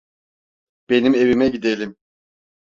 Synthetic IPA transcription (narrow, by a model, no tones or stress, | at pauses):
b̥e̞nime̞vimɛɟid̪elʲim